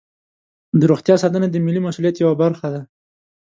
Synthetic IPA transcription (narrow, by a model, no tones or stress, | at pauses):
d̪əɾoxt̪jɑsɑt̪ənad̪əmɪlimasulijat̪jawabaɾxad̪a